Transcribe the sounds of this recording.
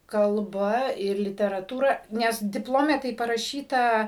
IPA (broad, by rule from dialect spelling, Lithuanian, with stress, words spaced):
kɐlˠˈbɐ ɪr lʲɪtʲɛrɐˈtuːrɐ ˈnʲɛs dʲɪpˈlˠoːmʲɛ tɐɪ pɐrɐˈʃʲiːtɐ